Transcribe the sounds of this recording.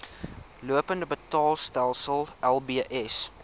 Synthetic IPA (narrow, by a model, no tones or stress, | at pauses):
luəpəndəbətɑːlˠstælˠsəlˠʔɛlˠbiəʔɛs